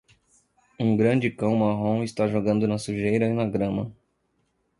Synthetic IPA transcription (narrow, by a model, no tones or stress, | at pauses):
ũɡɾɐ̃d͡ʒɪkɐ̃w̃maɦõɪst̪aʒoɡɐ̃nd̪ʊnɐsuʒejɾɐinɐɡɾɐ̃mɐ